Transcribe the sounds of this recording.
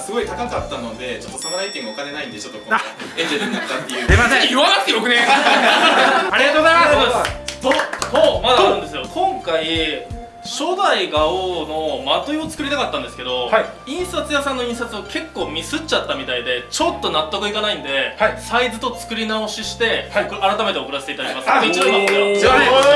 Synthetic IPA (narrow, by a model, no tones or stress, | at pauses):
sɨɡo̞it̪akakat̪ːano̞d̪e̞t͡ɕo̞t̪ːo̞sonoait̪emʲoakane̞naĩnd̪e̞t͡ɕo̞t̪ːokoẽɲd͡ʑeɾɯ̟̃nːat̪ːat̪ːe̞jɯ̟emasẽjiβanakɯ̟t̪ːejokɯ̟nẽ | aɾiat̪oɣozajma | soːmad̪aːɾɯ̟̃nd̪e̞sɨjo̞kʰõ̞ŋkai | ɕod̪aiɡaono̞mat̪oio̞t͡sɨ̥kɯ̟ɾʲit̪akat̪ːãnd̪esɨ̥ke̞d̪o̞haĩɰ̃sat͡sɨjasãnːoĩɰ̃sat͡sɨokʰe̞kːo̞ːmʲisɨt͡ɕat̪ːamʲit̪aid̪e̞t͡ɕo̞t̪ːo̞nat̪ːokɯ̟ikanaĩnd̪e̞asaizɨt̪o̞t͡sɨ̥kɯ̟ɾʲinao̞ɕiɕi̥t̪e̞aɾat̪ame̞t̪e̞okɯ̟ɾaset̪eit̪aaɾʲimasɨẽɲeomaee